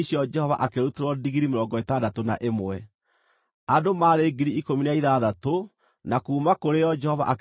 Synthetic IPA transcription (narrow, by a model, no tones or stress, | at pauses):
ɕiɔd͡ʒɛhɔva̰ʔakeɾoteɾwɔdiɣiɾimeɾɔːŋɡɔetaːdatonaʔemɛ | adomaːɾeːɡiɾiikominaiðaːðato | nakuːmakoɾejɔd͡ʒɛhɔva̰ʔa